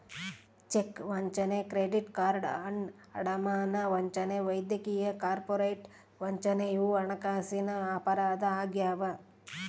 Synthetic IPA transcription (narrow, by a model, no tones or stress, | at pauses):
t͡ʃekʋɐɲt͡ʃɐnekɾeːɖiʈkaːɾɖɐɳ | ɐ̰ɽɐmaːnɐʋɐɲt͡ʃɐneʋɐjd̪jɐkiːjɐkaːɾpoɾejʈ | ʋɐɲt͡ʃɐnejuɐɳɐkaːsinɐapɐɾaːd̪ɐaːɡjaːʋɐ